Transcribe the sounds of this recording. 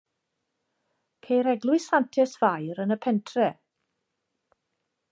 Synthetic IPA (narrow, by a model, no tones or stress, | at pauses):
pʰejɾɛɡlˠʊɨsantʰɛsv̥ajɾənəpʰɛntʰrɛ